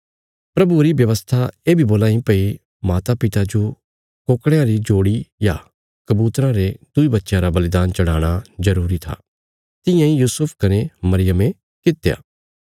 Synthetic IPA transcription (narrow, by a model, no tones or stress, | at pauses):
pɾɐbuɾibjɐʋəst̪ʰaeːbʱiboːlãːĩpɐi | maːt̪apɪt̪ad͡ʒo | koːkɽeãɾid͡ʒoːɽija | kɐbuːt̪ɾãɾed̪̥ʊibɐt̪ːʃjãɾabɐlɪd̪aːnt͡ʃɐɽaːɽ̃azɐɾuːɾit̪ʰa̰ː | t̪ɪjãĩjuːsʊpʰkɐnemɐɾɪjəmẽ | kɪt̪ːja̰ː